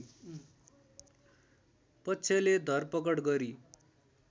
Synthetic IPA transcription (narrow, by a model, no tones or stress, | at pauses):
pʌtːsʰeled̪ʱʌrpʌkʌɽɡʌɾi